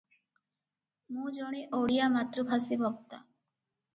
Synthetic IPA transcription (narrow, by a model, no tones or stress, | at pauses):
mũd͡ʒoɽ̃iʔoɽijamat̪ːɾubʱasibʱɔk̚t̪a̰